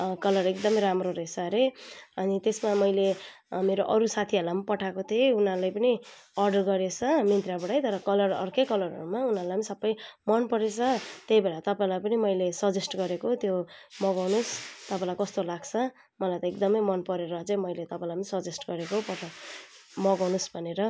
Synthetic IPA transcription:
kʌlʌrek̚d̪ʌmʌjɾamroɾesaɾeʌnit̪esmamʌjle | meɾoʔʌɾusat̪ʰiʌlːampʌʈʰakot̪ʰeunalajpʌniʌrɖʌrɡʌɾet͡sʰʌmint̪rjabʌɽʌjt̪ʌɾʌkʌlʌrʌ̰rkʌjkʌlʌɾʌ̰ɾumaunaɾlajnisʌbːʌjmʌnpʌɾet͡sʰʌt̪ejbeɽat̪ʌpaĩlajpʌnimʌjlesʌd͡zesʈɡʌɾekot̪jomʌɡawnost̪ʌpãĩlajkʌst̪olaɡt͡sʰʌ | mʌlajt̪ʌek̚d̪ʌmʌjmʌnpʌɾeɾʌt͡sʌ̃mʌjlet̪ʌpãĩlajpʌnisʌd͡zesʈɡʌɾekopʌ | mʌɡawnusbʱʌneɾʌ

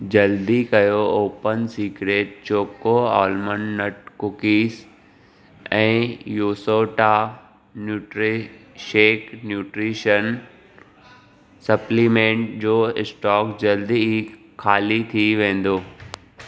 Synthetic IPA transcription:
d͡ʑɐld̪ikɐjooːpənsiːkɾeːʈ̚t͡ɕoːkoaːlmənːɐʈkʊkiːs | ɛ̃ːjuːsoːʈa | njuːʈɾʃeːknjuːʈɾiːʃən | sɐplimẽːɳʈd͡ʑoːɪsʈɔːkd͡ʑɐld̪ii | kʰaːlit̪ʰiʋẽːn̆d̪oː

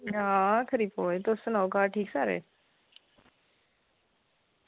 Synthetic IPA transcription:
ɦãːkʰəɾiːboːet̪osənaːkaːʈʰiːksaːɾḛː

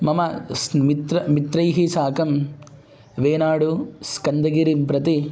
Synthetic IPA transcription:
mɐmɐsmit̪ɾɐmit̪ɾɐjɦisaːkɐm | ʋeːnaːɽuskɐnd̪ɐɡiɾimpɾɐt̪i

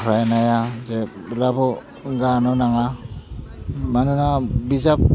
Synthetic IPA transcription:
ɹajnajazɛblabɔ | ɡanɔnaŋa | manunabizap̚

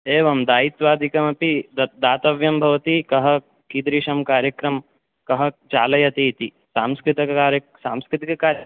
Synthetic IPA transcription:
eːʋɐmd̪aːjit̪ʋaːd̪ʱikɐmɐpid̪ɐd̪aːt̪ɐʋjɐmbʱɐʋɐt̪ikɐɦɐ̆ | kid̪ɾiːʃɐmkaːɾjɐkɾɐm | kɐɦɐt͡ʃaːlɐjɐt̪it̪i | saːmskɾit̪ɐaːɾɐ | saːmskɾɪt̪ikɐkaːɾ

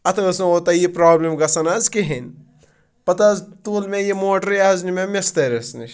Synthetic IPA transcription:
ɐt̪ʰɐʋɐsnɐot̪ɐjipɾaːblemɡɐsɐnazkiɦin | pɐt̪azt̪uːlmẽjimoːʈɐɾjaznimemest̪ɐɾesniʃ

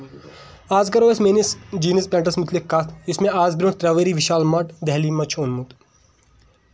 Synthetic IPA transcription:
aːzɡɐɾoːesmeːnisd͡ʒiːnispɛ̃ːɳʈɐsmʊt̪likːɐt̪ʰd͡ʒɪsmẽaːzbɾõt̪ɾɐːʋeɾiʋiʃaːlmɐʈd̪ɛɦlimɐt͡ʃʰoːnmut̪

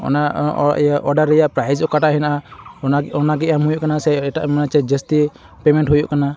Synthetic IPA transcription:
ɔ̰na | ʔɔɾɖaɾːɛjaʔpɾajd͡ʒɔkaʈaʔɦɛnaʔaaɔnaɡɛamɦujuʔkanasɛʈaʔmanat͡ʃɛd͡ʒest̪i | pɛmɛɳʈɦujuʔkana

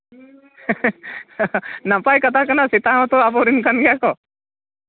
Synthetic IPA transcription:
nãpajkɐt̪ʰakɐnasit̪aõt̪oapoɾinkənɡjakɔ

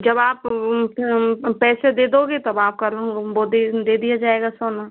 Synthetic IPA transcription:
d͡ʒɐbaːp | pɛːsed̪eːd̪oːɡet̪ɐbaːp̚kalbod̪ed̪eːd̪ijad͡ʒaːeːɡasoːna

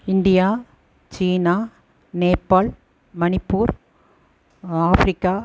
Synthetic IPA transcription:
ɪnd̪ɪjaː | t͡ʃiːnaː | neːpːaːl | mɐnɪpːuːɾ | aːfɾɪkːaː

